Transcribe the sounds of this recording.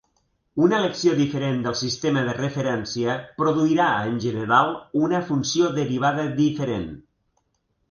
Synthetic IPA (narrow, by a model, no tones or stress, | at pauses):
unələksioðifəɾend̪əlˠsist̪eməðərəfəɾɛnsiəpɾoðuiɾaənʲʒənəɾalˠunəfunsjoðəɾiβ̞aðəðifəɾen